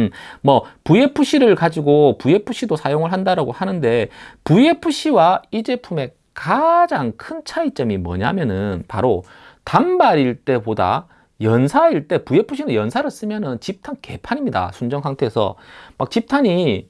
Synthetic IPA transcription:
mʌpuje̞pʰuɕ͈ʰiɾɯɭkad͡ʑiɡopuje̞pʰuɕ͈ʰidosʰajoŋɯɭɦandaɾaɡohanɯnde̞puje̞pʰuɕ͈ʰiwaid͡ʑe̞pʰume̞ | kad͡ʑaŋkʰɯnt͡ɕʰait͡ɕ͈ʌmimwʌ̰ɲamjʌnɯnpa̰ɾo | tambaɾiɭt͈e̞boda̰ | jʌnsʰaiɭt͈e̞puje̞pʰuɕʰinɯnjʌnsʰaɾɯɭs͈ɯmjʌnɯnt͡ɕip̚tʰanke̞̰pʰaɲimɲida̰sʰund͡ʑʌŋsʰaŋtʰe̞ːsʰʌ̰mak̚t͡ɕip̚tʰaɲi

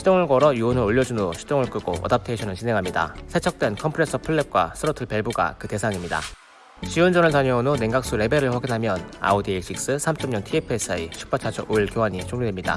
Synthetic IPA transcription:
ɕʰid͡ʑ͈oŋɯɭɡʌɾʌjuonɯɾoʎːʌd͡ʑunoɕʰi̥t͈oŋɯɭk͈ɯɡ̥o̰ʌ̰dap̚tʰeɕʰʌnɯɭt͡ɕinɦe̞ŋɦamɲida̰sʰe̞t͡ɕʰʌk̚t͈we̞nkʰʌmpʰɯɾes͈ʰɯpʰɯɭːep̚k͈wa̰sʰɯɾotʰɯɭpe̞ɭbuɡa̰kɯte̞sʰaŋimɲida̰ | t͡ɕiond͡ʑʌnɯɭt͡ɕaɲʌonone̞ŋɡak̚s͈uɾe̞be̞ɾɯɭɸwaɡinɦamjʌna̰odiiɕ͈ik̚s͈ɯsʰamt͡ɕ͈ʌmɲʌntʰiepʰes͈ʰait͡ɕʰi̥k̚p͈at͡ɕʰat͡ɕʰʌ̰oiɭkjoɦaɲit͡ɕʰoŋɲidwemɲida̰

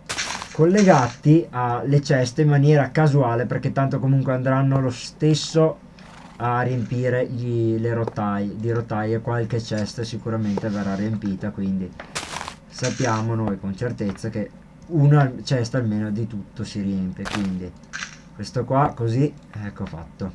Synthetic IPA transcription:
kolːeɡat̪ialet͡ʃɛst̪eimːanjɛːɾakazuaːleperk̟et̪ːant̪okomuŋkweand̪ɾanːolost̪esːo | arijempiːɾeʎileɾot̪ːajd̪iɾot̪ːajekwalket͡ʃɛst̪əsikuɾament̪everːariempiːt̪akwind̪i | sapːjaːmonoːjkont͡ʃert̪et̪sːak̟e | uːnat͡ʃɛst̪almeːnod̪it̪ut̪ːosiɾiempjekwind̪i | kwest̪okwakoziɛkːofa̰t̪ːo

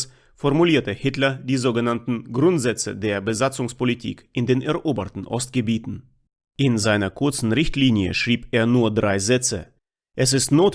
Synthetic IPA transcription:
s | fɔɐmuliːɐtəhɪtlɐdiːzoːɡənantn̩ɡʁʊntz̥ɛt͡sə̰deːɐbəzat͡sʊŋspolitʰḭːkʔɪndeːnʔɛɐʔoːbətn̩ʔɔ̰stɡ̥əbiːtn̩ | ʔɪnzaɪnɐkʰʊɐt͡sn̩ʁɪçtliːnjə̰ʃʁ̥iːpeːɐnuːɐdʁaɪzɛt͡sə | ʔɛs̬ɪstnoːt

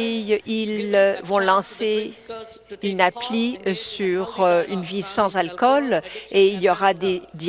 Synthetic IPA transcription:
jilvɔ̃lɑ̃se | ynaplisyʁøynvisɑ̃zalkɔleiljɔʁad̪ed̪

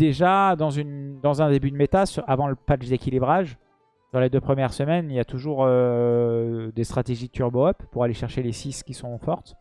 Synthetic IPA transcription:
d̪̥eʒad̪ɑ̃zynd̪ɑ̃zɛ̃d̪ebyd̪met̪asyʁavɑ̃ləpat͡ʃd̪ekʲilibʁaʒ | syʁled̪øpχəmjɛʁsəmɛniljat̪uʒuʁø | d̪est̪χat̪eʒit̪yʁboœpːuʁaleʃɛʁʃelesiskʲisɔ̃fɔʁt̪

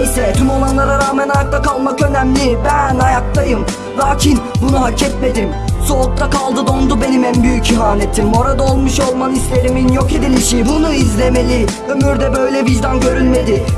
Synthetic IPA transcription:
jsɛt̪ʰymonanlˠaɾaɾaːmænajak̚t̪ʰakalˠmakø̞næmlʲɪbænajakt̪ˠajɯm | vaːcʰinbunuɦalcʰɛt̪me̞d̪im | so̞uk̚t̪ʰakʰalˠd̪ɯd̪o̞nd̪ube̞nimænbyjyciɦaːne̞t̪ʰimoɾad̪aolˠmuʃo̞lˠmanislʲe̞ɾiminjo̞ke̞d̪ilʲiʃibunuizlʲe̞me̞lʲɪ | ømyɾd̪ɛbø̞jlʲɛbiɾd̪ænɟø̞ɾylʲme̞d̪ɪ

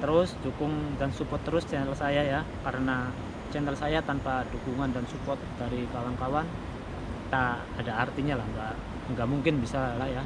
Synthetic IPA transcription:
t̪əɾʊsdukʊŋdansupɔt̪ːəɾʊst͡ʃɛnəlsajajakaɾəna | t͡ʃɛnəlsajat̪anpadukuŋandansupɔt̪̚daɾikawankawan | t̪aː | daːrt̪iɲalahəŋɡa | əŋɡaʔmuŋkɪnbisalahja

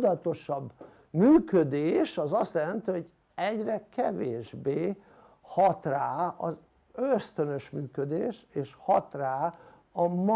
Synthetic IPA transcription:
d̪ɒt̪o̞ʃɒbː | myːkød̪eːʃɒzɒst̪jɛlɛnt̪iɦo̞ɟ | ɛɟrɛkɛveːʒbeː | hɒt̪raːɒ̰z | øst̪ønø̞ʃmyːkød̪eːʃeːʃhɒt̪raː | ɒm

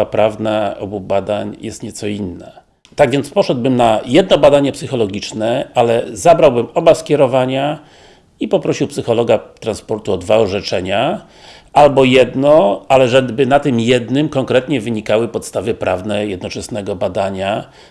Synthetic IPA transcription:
apɾavnaɔ̰bubad̪aɲjɛst̪ɲɛt̪sɔinːa | t̪aɡvʲjɛnt̪spɔʂɛd̪bɘmnajɛd̪nɔbad̪aɲɛpsɘxɔlɔɡʲit͡ʂnɛalɛzabɾawbɘmɔbaskʲɛɾɔvaɲa | ipɔpɾɔɕiwpsɘxɔlɔɡat̪ɾanspɔɾt̪uɔd̪vaɔʐɛt͡ʂɛɲa | albɔjɛd̪nɔalɛʐɛbɘnat̪ɘmjɛd̪nɘmkɔŋkɾɛt̪ɲɛvɘɲikawɘpɔt̪st̪avɘpɾʔavnɛjɛd̪nɔt͡ʂɛsnɛɡɔbad̪aɲa

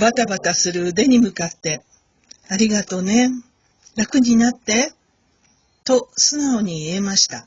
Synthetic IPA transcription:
bat̪abat̪asɨɾɯ̟d̪e̞ɲ̟imɯ̟kat̪ːe̞ | aɾʲiɡat̪o̞ne̞ | ɾakɯ̟ɲ̟inat̪ːe̞ | t̪o̞sɨnaoɲ̟iemaɕi̥t̪a

